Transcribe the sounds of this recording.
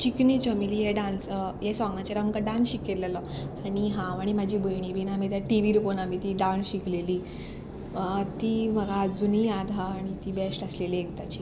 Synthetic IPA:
t͡ɕikniːt͡ɕəmiliːɦeɖãnsɦesɔŋɡãt͡ɕeɾamkaɖãnsɕikeɾlelə | aɽ̃iɦãaɽ̃imad͡ʑʱiːbəjɳ̃ibinamit̪jaʈiʋiɾuponamit̪iɖanɕikleliː | t̪iməɡaːd͡zuniad̪ʱaːɽ̃it̪iːbesʈəslelieɡt̪at͡ɕiː

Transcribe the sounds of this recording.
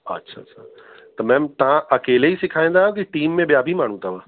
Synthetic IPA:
ɐ̰tːʃʰa̰ʃʰa | t̪ɐmɛ̃ːmt̪ɐãʔɐkeːleɦisɪkʰaːẽnd̪aõk̬iʈiːmːẽbjaːbʱimaːɽ̤̃ũt̪aʋaː

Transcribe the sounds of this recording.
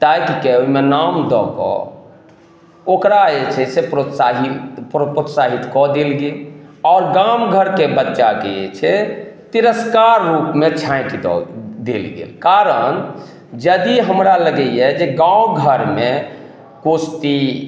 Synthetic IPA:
t̪ajkikeoimenamd̪ɔkɔ̰ | okɾaet͡ʃʰɛsepɾot̪saɦipopɾot̪saɦit̪kɔd̪elɡelɔːɾɡamɡʱəɾkebətːt͡ʃakeet͡ʃʰɛt̪iɾəskaɾːupmet͡ʃʰãɪkid̪ɔ̰d̪elɡḛlkaɾən | d͡ʒəd̪iɦəmɾaləɡəijɛd͡ʒeɡãũɡʱəɾme | kost̪i

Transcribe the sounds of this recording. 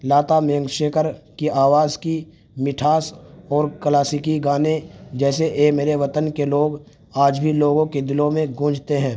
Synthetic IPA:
laːt̪amejə̃ŋɡʃeːkʰəɾkiʔaːʋaːzki | mɪʈʰaːsɔːɾklaːsɪkiɡaːned͡ʒɛːseʔemeːɾeʋət̪ənkeloːɡ | aːd͡ʒbʱiloːɡõked̪ɪlõmẽɡũːd͡ʒʱt̪eɦɛ̃ː

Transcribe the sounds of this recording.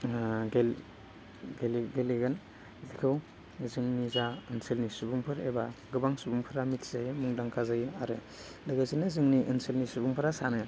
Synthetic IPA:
ɡel | ɡelɡeliɡɯn | zikʰɯw | zɯŋnizaɯnselnisubuŋpʰɯɾḛbaɡɯbaŋsubuŋpʰɯɾamitʰz̥ajmuŋdaŋkʰazajaɾɯ | lɯɡazinɯzɯŋniʔɯnselnisubuŋpʰɯɾasanɯ

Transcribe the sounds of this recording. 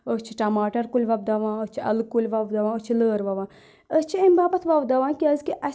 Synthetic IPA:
ət͡ʃʰiʈɐmaːʈɐɾkulʲʋɐb̚d̪ɐʋãːət͡ʃʰiɐlkulʲʋɐbd̪ɐʋãːət͡ʃʰiləːɾʋɐʋãː | ət͡ʃʰiimʲbaːbɐt̪ʰʋɐbd̪ɐʋãːnkiɐːzkiʔɐ

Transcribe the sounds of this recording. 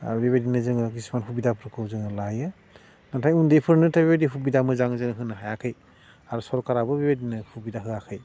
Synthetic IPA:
a̰ɾubeβadinɯzɯŋɯk̬ismanɦubidapʰɾɯkʰɯwzɯŋɯlajɯ | natʰajundepʰɯɾnɯtʰabebadiɦubidamɯzaŋzɯŋɯɦɯnɯɦajakʰɯj | aɾusɔɾɔkaɾabɯbebadinɯhubidaɦɯakʰɯj

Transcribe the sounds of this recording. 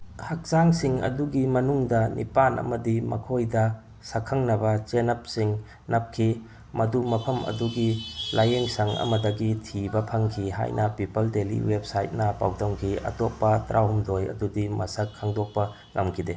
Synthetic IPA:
hɐk̚saŋsiŋɐ̰duɡimɐnuŋdɐnʔḭpanʔɐ̰mɐdimɐ̰kʰojdɐ | sɐkʰːɐŋnɐbɐt͡ʃenɐp̚siŋ | nɐp̚kʰi | mɐdumɐpʰɐmɐ̰duɡilajeŋsɐŋɐ̰mɐdɐɡitʰibɐpʰɐŋkʰiɦa̰jnɐpipɐldelḭwep̚sajt̚nɐpa̰wtɐmkʰiɐ̰tɔp̚pɐtɾʔawumdojɐ̰dudimɐsɐkʰːaŋdɔk̚pɐ | ŋɐmkʰide

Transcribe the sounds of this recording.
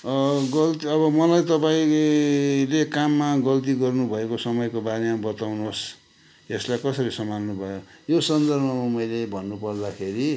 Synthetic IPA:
ɡʌlt̪iʌβʌmʌlajt̪ʌpaĩ | lekamːaɡʌlt̪̬iɡʌrnubʱʌekosʌmʌjkobaɾemabʌt̪awnos | eslajkʌsʌɾisʌmanːubʱʌjojosʌnd̪ʌrbʱʌmamʌjlebʱʌnːupʌrd̪akʰeɾi

